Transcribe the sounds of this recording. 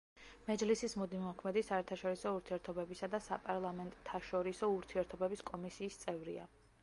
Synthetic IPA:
mɛd͡ʒlisismud̪imɔkʰmɛd̪isaɛɾt̪ʰaʃɔɾisɔuɾt̪ʰiɛɾt̪ʰɔbɛbisad̪asa̰pʼaɾlˠamɛnt̪ʼt̪ʰːaʃɔɾisɔuɾt̪ʰiɛɾt̪ʰɔbɛbiskʼɔmisiːst̪sʼɛvɾḭa̰

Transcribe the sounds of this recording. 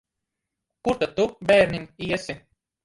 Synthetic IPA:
kuɾt̪at̪ːubæːɾniniɛsi

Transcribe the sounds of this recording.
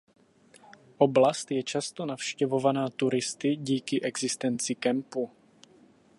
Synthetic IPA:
ʔoblast̪jɛt͡ʃast̪o̞nafʃcɛvo̞vanaːt̪uɾɪst̪ɪɟiːkɪʔɛɡzɪst̪ɛnt͡sɪkɛmpu

